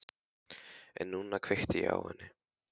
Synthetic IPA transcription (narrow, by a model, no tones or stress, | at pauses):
ɛ̰nːunakʰv̥ext̪ɪja̰whɛ̰nːɪ